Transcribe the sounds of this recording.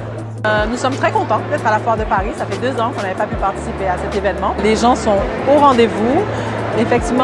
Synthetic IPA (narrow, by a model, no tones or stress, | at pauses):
nusɔmt̪χɛkɔ̃t̪ɑ̃pøt̪ɛt̪χalafwaʁd̪əpaʁisafɛd̪øzɑ̃kɔ̃navɛpapypaʁt̪i̥sipeasɛt̪evɛnmɑ̃leʒɑ̃sɔ̃ | oʁɑ̃d̪evu | efɛk̚t̪ivm